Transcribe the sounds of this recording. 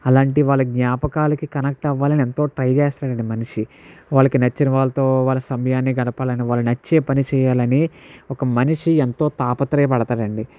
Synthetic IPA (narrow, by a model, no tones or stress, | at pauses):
ɐlaːɳʈ̬iʋaːɭːuɡɲaːpɐkaːlɐkikɐnɐk̚ʈɐʋːaːlɐnie̞nt̪o̞ːʈɾɐjt͡ʃeːst̪aːɽɐɳɖimɐniʂi | ʋaːɭːɐkinɐt͡ʃːinɐʋaːlːɐt̪o̞ːʋaːɭːɐsɐmɐjaːnːiːɡɐnɐpaːlɐniʋaːɭːunɐt͡ʃːe̞ːpɐnit͡ʃɛːjaːlɐniɔkɐmɐniʂient̪o̞ːt̪aːpɐt̪ɾɐjːpɐɽɐt̪aːɽɐɳɖi